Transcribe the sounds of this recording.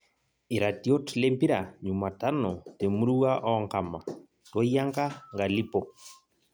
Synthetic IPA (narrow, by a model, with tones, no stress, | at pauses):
iɾatiɔ˦tlempi˦ɾaɲuma˨ta˦nɔ˨te˨mu˦ɾuwaʔɔŋkama˨ | tɔ˦ija˦ŋka˦ŋɡa˨li˦pɔ